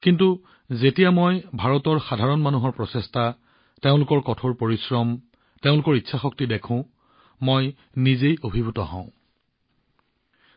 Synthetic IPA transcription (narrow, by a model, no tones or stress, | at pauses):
kintu | zetijamojbʱaɹɔtɔɹxadʱaɹɔnmanuɦɔɹpɹɔsesta | teʊ̃lʊkɔɹkɔtʰoɹpoɹisɹɔm | teʊ̃lʊkɔɹitːʃʰaxɔk̚tidekʰʊ̃ | moj | nizejobʱibʱutɔɦɔ̰̃ʊ̃